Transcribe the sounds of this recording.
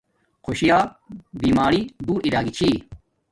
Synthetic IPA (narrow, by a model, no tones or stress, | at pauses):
kʰoɕijaː | biːmaːɾid̪uːɾiɾaːɡit͡ɕʰiː